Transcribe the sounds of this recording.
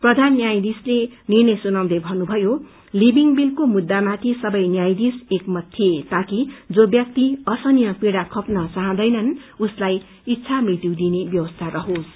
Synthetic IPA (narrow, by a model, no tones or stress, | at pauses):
prʌd̪ʱanːjajd̪islenirnʌjsunaw̃d̪ʌbʱʌnubʱʌjo | libiŋbilkomud̪ːamat̪ʰisʌbʌjnjajd̪isekmʌt̪ʰːjiet̪akid͡zobjʌk̚t̪iʌsʌnijʌpiɽakʰʌpnʌt͡saɦãd̪ʌjnʌnuslaj | it̪ːsʰamrit̪iwd̪inebjʌwʌst̪ʰaɾʌɦos